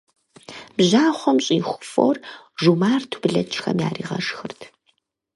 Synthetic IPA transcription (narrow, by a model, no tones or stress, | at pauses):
b̥ʑaːχʷɔmɕʼiːχʷʊ̥fo̰ːrʒumaːrtʰu̥bɨɮɐt͡ʃʰʼxɐmja̰ːriːʁɐ̰ʂxɨrtʰ